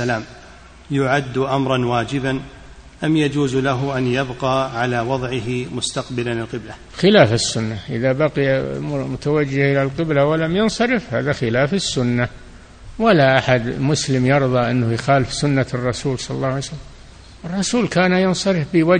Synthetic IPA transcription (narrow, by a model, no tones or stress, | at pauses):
alaːm | jʊʕad̪ːʔamɾˤɑnwaːd͡ʒɪban | ʔamjad͡ʒuːzlaɦʊʔanjabqɑːʕalaːwɑðˤʕɪɦɪmʊst̪aqbɪlalɪlqɪbla | xɪlaːfɪsːʊnːaʔɪðabaqɪjamʊt̪awad͡ʒːɪhʔɪlalqɪblawalamjʊnsˤɑɾɪfhaːðaxɪlaːfɪsːʊnːa | walaʔaħad̪mʊslɪmjɑɾðˤɑʔɪnːʊhjxaːlɪfsʊnːaɨrˤːɑsuːlsˤɑlɑlːɑːʕajsalːam | ʔɨrˤːɑsuːlkaːnajɑnsˤɑɾɪfbɪwa